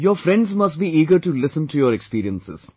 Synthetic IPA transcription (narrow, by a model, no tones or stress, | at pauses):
jɔːɾfɾɛ̃ɳɖzmɐst̚biiːɡəɾʈulɪsə̃nʈʰujɔɾɛkspiːɾiə̃nsɪ̰z̥